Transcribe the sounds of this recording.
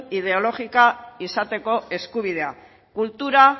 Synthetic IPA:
ið̞e̞o̞lo̞ɣikaisat̪e̞ko̞e̞skuβ̞ið̞e̞a | kult̪uɾa

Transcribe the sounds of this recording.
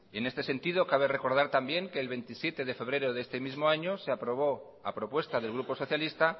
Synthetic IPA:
e̞ne̞st̪e̞se̞nt̪iðo̞kaβ̞ere̞ko̞ɾð̞aɾt̪ambje̞ŋke̞ːlβe̞nt̪isje̞t̪e̞ðe̞fe̞βɾe̞ɾoðe̞st̪e̞mizmoaɲo̞seapɾo̞β̞o̞ | a̰pɾo̞pwe̞st̪aðe̞lɣ̞ɾupo̞so̞θjalist̪a

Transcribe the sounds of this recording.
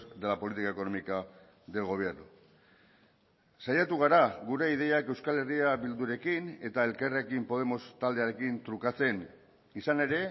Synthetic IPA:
d̪elapo̞lit̪ikae̞ko̞no̞mika | ðelɣ̞o̞β̞jeɾðu | sajat̪uɣ̞aɾaɣuɾe̞ið̞e̞jakewskale̞riaβild̪uɾe̞kine̞t̪ae̞lkarekimpo̞ð̞e̞mo̞st̪ald̪e̞aɾe̞kint̪ɾukat͡se̞n | isane̞ɾe̞

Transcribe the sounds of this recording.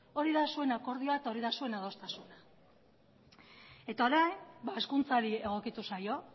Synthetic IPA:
o̞ɾiðasue̞nako̞ɾðioaet̪aoɾiðasue̞naðo̞st̪asuna | e̞t̪aoɾajnbae̞skunt͡saɾie̞ɣ̞o̞kit̪usajo̞

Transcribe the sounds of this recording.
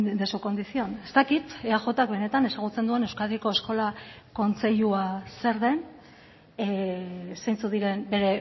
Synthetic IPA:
d̪esuko̞nd̪isio̞ne̞st̪akit̪eaʝo̞t̪ak̚βe̞ne̞t̪ane̞saɣ̞ut͡se̞nd̪ue̞ne̞wskaðieko̞e̞sko̞lako̞nt͡se̞ʎuase̞ɾðe̞n | sejnt͡suðiɾe̞nbe̞ɾe̞

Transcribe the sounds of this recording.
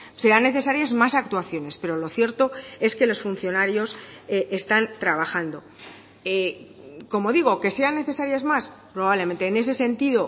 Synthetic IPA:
seɾanːe̞θe̞saɾjazmasakt̪waθjo̞ne̞spe̞ɾo̞lo̞θje̞ɾt̪oe̞ske̞lo̞sfun̟θjo̞naɾjo̞seʔest̪ant̪ɾaβ̞axand̪o̞ | e | ko̞mo̞ðiɣ̞o̞ke̞se̞anːe̞θe̞saɾjazmaspɾo̞βaβle̞mẽ̞nt̪eːne̞se̞se̞nt̪iðo̞

